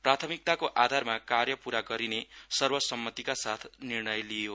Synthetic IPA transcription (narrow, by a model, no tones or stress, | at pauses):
prat̪ʰʌmik̚t̪akoʔad̪ʱarmakarjʌpuɾaɡʌɾinesʌrbʌsʌmːʌt̪ikasat̪ʰnirnʌjlijo